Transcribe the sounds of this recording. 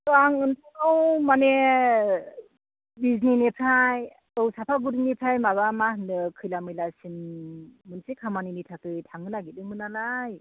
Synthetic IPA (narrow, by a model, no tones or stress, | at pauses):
tɔaŋɯntʰaŋɯwmane | bizninepʰaj | ɯwsapʰaɡuɾinipʰajmaβamahnɯkʰɯjlamɯjlasinmɯnsekʰamaninitʰakɯjtʰaŋɯnaɡit̚ɯŋmɯnanaj